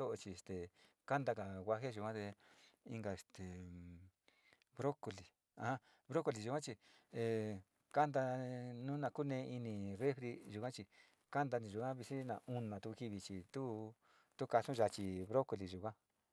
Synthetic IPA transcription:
o˦ʔo˧t͡ʃi˧˨e˨st̪e˨ | ka˦nd̪a˧ka˨wʷa˧ɦe˦ʒu˧˨kʷã˦t̪e˧i˦ŋɡa˧e˨st̪e˨ | βɾo˦ko˧li˨ | ã˨hã˦ | βɾo˦ko˧li˨ʒu˧kʷã˦t͡ʃi˧ | e˨ | ka˦nd̪a˧nũ˦nã˧ku˦nẽ˧˦˧ʔi˧nĩ˧re˦fɾi˧ʒu˨kã˦t͡ʃi˧ | ka˦nd̪a˧nĩ˧ʒu˨kã˦βi˧si˦nã̰˨ʔũ˧nã˨t̪u˧u˧ki˧βi˧t͡ʃi˧t̪u˦ | t̪u˦ka˧sũ˦ʒa˧t͡ʃi˧βɾo˦ko˧li˨ʒu˨kʷã˦

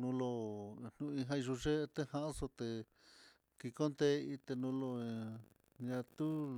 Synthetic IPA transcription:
nũ˧lo˧n̥nũ˧ĩ˧ɦã˦˧i˧ʒu˧ʐe˦˧t̪e˦hã˧ʔa˦so˧t̪e˧ | ki˧ko˦nd̪e˦˧i˧t̪e˧nũ˧˦lo˧ | ɲã˧t̪u˦

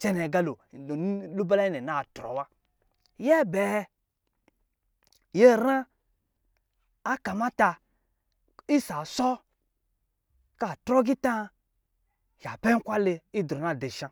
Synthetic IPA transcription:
t͡ʃɛ˦nɛ˨ɡa˦lo˨˦ | lu˦ba˦la˦i˦nɛ˨na˦˨tɾɔ̰˨wa˦ | jɛ˦˨bɛ˨˧ | je˦ɾa˦ | ka˨ma˦ta˧ | i˦sa˨sɔ˦ | ka˦˨tɾɔ˦ɡi˦tã˦ | ja˨pɛ˦ŋ̩˦kʷa˦le˧i˦dɾɔ˨na˦˨de˨ʃã˦

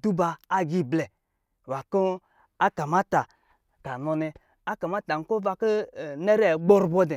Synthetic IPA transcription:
du˦baː˧˦ɡi˦˨blɛ˨ | wa˨ko˦ | a˦ka˨ma˦ta˨ | ka˨nɔ˧nɛ˧ | a˦ka˨ma˦ta˨ŋ̩˦ko˦va˧kɔ˦˨ne˦ɾe˦˨ɡ͡bo˦ɾbɔ˦dɛ˨

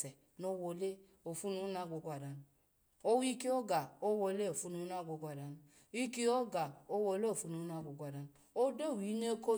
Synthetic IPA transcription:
ɛ˨ | no˦wo˧le˦ | o˨fu˦nu˦na˦ɡʷo˨˦ɡʷa˨da˨nu˨ | o˦wi˦ki˦o˦ɡa˨o˦wo˧˦le˦o˨fu˦nu˦a˦ɡʷo˨˧˦ɡʷa˨da˨nu˨ | i˦ki˦o˦ɡa˨o˦wo˧˦le˦o˨fu˦nu˨˦na˦ɡʷo˨ɡʷa˨da˨n˨ | o˦do˦˨wi˨˦ne˦ko˦

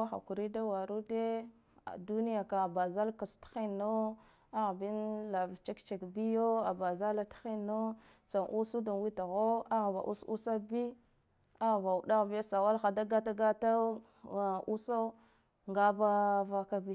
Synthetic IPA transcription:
a˦xa̰˨ku˨ɾi˦da˦wa˨ɾu˦de˦ | a̰˨du˦ni˦ja˨ka˨ba˨za˦lka˨stḁ˦xi˦nːo˦ | a˦ɣbi˦nla˨vt͡ʃe˦kt͡ʃe˨kbi˦jo˦a˨ba˨za˦la˦tḁ˦xi˦nːo˦ | t͡sa˨nʔu˦su˦da˨nwi˦ta˨ɣo˦a˦ɣa˨ba̰˨ʔṵ˦sṵ˦sa˦bi˦ | a˦ɣba˨u˨ɗa˦ɣbi˦ja˦sa˨wa˦lxa˨da˦ɡa˦ta˦ɡa˦ta˦˨ | ʔu˦sa˦ | ŋɡa˦ba˦va˦ka˦bi˦

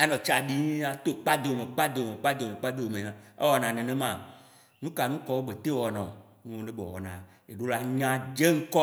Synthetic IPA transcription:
e˦nɔ̃˨t͡ʃa˨ɖi˦ɲi˦a˦t̪o˦k͡pa˦d̪e˨o˨mẽ˨k͡pa˦d̪e˨o˨me˨k͡pa˦d̪e˨me˨k͡pa˦d̪e˨o˨me˨ɲã˨ḛ˦wɔ˨nã˨nẽ˨nẽ˦mã˨ | nũ˦ka˨nũ˦kɔ˦wo˦ɡ͡be˨t̪e˦wɔ˨nɔ̰̃˨ | nũ˦wo˦ne˦bɔ̰˨wɔ̰˨nã˨ | e˨ɖo˦la˦ɲã˦d͡ʒe˦ŋ̩˦kɔ˦

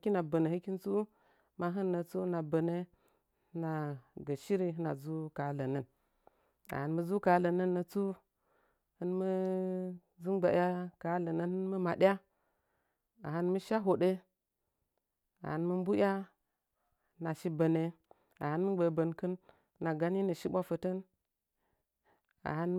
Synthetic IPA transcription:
kʲi˦na˨bə˨ne˨hɨ˦ki˦nt͡su˦ | ma˦ɦɨ˦nːə˨t͡su˦na˨bə˨ne˦ | na˨ɡə˨ʃi˦ɾi˦ɦɨ˦na̰˨zu˦ka˨lə˨nə˦n | a̰˨hə˨nmə˦zu˦ka˨˦lə˨nə˦nːə˨t͡su˦ | hɨ˦nmə˦ | zu˦mɡ͡ba˨ja˦ka˦lə˨nə˦nhɨ˦nmə˦ma˨ɗa˦ | a̰˨ha˦nmə˦ʃa˦ɦo˨ɗe˦ | a̰˨ha˨nmə˦m˦bu˦jʲa˦ | na˨ʃi˦bə˨ne˨ | a̰˨hɨ˦nmə˦ɡ͡bə˨bə˨nkɨ˦n˦ | na˨ɡa˦ni˦nə˨ʃi˦ɓʷa˦fə˨tə˦n | a̰˨ha˦n

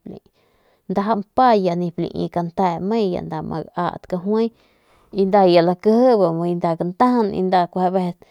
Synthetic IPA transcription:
plḭ̃˨ | nd̪a˧ɦa˦mpa˦ja˧˨nĩ˧plḭ̃˧˨ḭ̃˧ka˧nt̪a˧˨mẽ˦ja̰˨nd̪a˧mʔa̰˧ɡa̰˧˨ʔt̪ka˧ɦwẽ˦j | i˧nd̪a˧ja˨la˧kə˦hə˦ba˨m˧jnd̪a˧˨ka˧nt̪a˦hnḭ˧nd̪a˧kʷa˧be˧t̪

